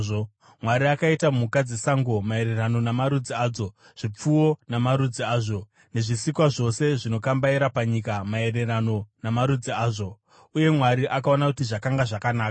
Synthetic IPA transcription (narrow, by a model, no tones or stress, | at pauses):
o | mwaɾiakaitamukad͡zisaŋɡo̞mae̞ɾe̞rano̞namaɾud͡ziaːd͡zo̞ | ʐ̥ip͡fuwo̞namaɾud͡ziaːʐo̞ | ne̞ʐisikwaʐo̞se̞ʐino̞kambaiɾapaɲikamae̞re̞rano̞namaɾud͡ziaːʐo̞ | uje̞mwaɾiʔakao̞nakutiʐakaŋɡaʐakanaːka